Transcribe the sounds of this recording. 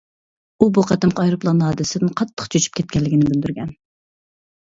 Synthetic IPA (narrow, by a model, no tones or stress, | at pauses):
ubuqʰɛt̪ɪmqʰɑɑjɾuplˠɑnːhɑːd̪ɪsɪd̪ɪnqʰɑt̪ʰːə̥qt͡ʃʰøt͡ʃʰy̥p̚kʲʰɛt̪̚kʲɛnlːɪɡʲɪnɪbɪld̪yɾɡʲɛn